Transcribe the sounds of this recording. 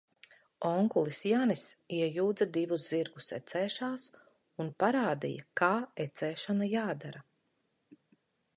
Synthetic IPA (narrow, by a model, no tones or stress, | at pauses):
ɔŋkulˠisjanisiɛjuːd̪zad̪ivuzziɾɡusɛ̰t̪sɛːʃaːs | unpaɾaːd̪ḭjɐ̰kaːɛt̪sɛːʃanajaːd̪aɾa